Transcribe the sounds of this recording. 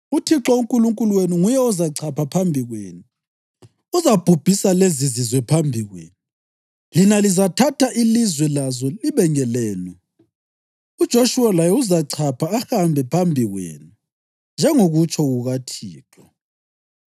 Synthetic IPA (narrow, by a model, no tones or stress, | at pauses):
utʰiǁɔuŋkʼuluŋkʼuluweniŋujɛɔzaǀʰapʰapʰambʱiɣweːnu | uzab̥ʱub̥ʱisalezizizwɛpʰambʱiɣwḛːnu | linalizatʰatʰaʔilizwɛlazɔliβɛŋɛlɛːlɛ | ud̥ʒ̥ʱoʃuwalajɛuzaǀʰapʰaːhambʱɛpʰambʱiɣwḛːnu | nd͡ʒʱɛŋoɣut͡ʃʰɔɣuɣatʰiːtʰwɔ